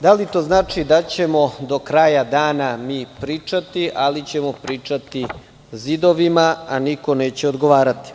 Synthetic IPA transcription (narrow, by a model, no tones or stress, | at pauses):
d̪alit̪o̞ːznaːt͡ʂid̪at͡ɕe̞mo̞d̪o̞kɾaːjad̪aːnamiːpɾiːt͡ʂat̪iʔalit͡ɕe̞mo̞pɾiːt͡ʂat̪i | zid̪o̞ʋimaaniko̞ne̞ːt͡ɕeod̪ɡoʋaːɾat̪i̥